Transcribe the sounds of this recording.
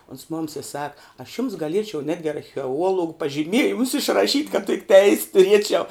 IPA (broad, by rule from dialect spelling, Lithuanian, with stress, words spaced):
oːns ˈmoːms ɪ ˈsɑːkɐ ɐʃ jʊms ɡɐˈlʲiɛt͡ʃʲɛʊ ˈnʲæːdʲɡʲɪ ɐrʲxʲɛˈuɔlˠoːɡʊ pɐʒʲɪˈmʲiɛjɪmʊs ɪʃrɐˈʃʲiːtʲ kɐt tʲɪk tʲɛɪsʲ tʊˈrʲiɛt͡ʃʲɛʊ